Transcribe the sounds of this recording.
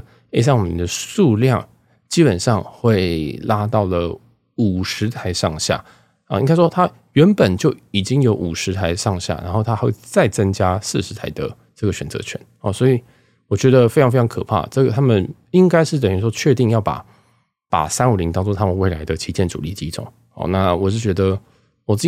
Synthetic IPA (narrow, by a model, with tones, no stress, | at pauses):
e˥ɪs̬a˥˩nwɔ˨˩mḭ˧˦d̪ə˧ʂu˥˧ljɑ˥˨˩ŋ | t͡ɕi˥pə˨˩nʂɑ˥˧ŋxwe˥˩ɪla˥t̪ɑ˥˩ʊlə˩ | u˨˩ʂɻ̩˧˥t̪ʰa˧˥ɪʂɑ˥˧ŋɕja̰˥˩ | ə̰˥˧ʔḭ˥ŋka˥ɪʂwɔ˥t̪ʰa˥ | ɥɛ˧˥npə˨˩nt͡ɕjo˥˩ʊi˨˩t͡ɕi˥ŋjo˧˥ʊʔu˨˩ʂɻ̩˧˥t̪ʰa˧˥ɪʂɑ˥˧ŋɕja̰˥˩na̰˧˥nxo˥˩ʊt̪ʰa˥xwe˥˩ɪt͡sa˥˩ɪt͡sə˥ŋt͡ɕja˥sɹ̩˥˩ʂɻ̩˧˥t̪ʰa˧ɪd̪ə̰˧ | ʈ͡ʂɤ˥˩ɡə˩ɕɥɛ˨˩nt͡sɤ̰˧˥t͡ɕʰɥɛ̰˧˦n | ɔ̰˨˩swɔ˧˥i˨˩ | wɔ˨˩t͡ɕɥɛ˧˥d̪ə˧fe˥ɪʈ͡ʂʰɑ˧ŋfeɪɑ˥ŋkʰɤ˨˩pʰa̰˥˩ʈ͡ʂɤ˥˩ɡə˩t̪ʰa˥mə˨n | i˦ŋka˥ɪʂɻ̩˥˩t̪ə˨˩ny˧˥˩ʂwɔ˥t͡ɕʰɥɛ˥˧t̪i˥˧ŋjɑ˥˩ʊpa̰˨˩˦ | pa̰˨˩sa˥nu˨˩li˧˥ŋt̪ɑ˥ŋʈ͡ʂo˥ŋt̪ʰa˥mə˨nwe˥˩ɪla˧˥ɪd̪ə˧t͡ɕʰi˧˥t͡ɕjɛ˥˩nʈ͡ʂṵ˨˩li˥˩t͡ɕi˥ʈ͡ʂo̰˨˩˦ŋ | ɔ̰˧˩na˥˩wɔ˨˩t͡ɕjo˥˩t͡ɕɥɛ˧˥d̪ə˧ | wɔ˨˩t͡s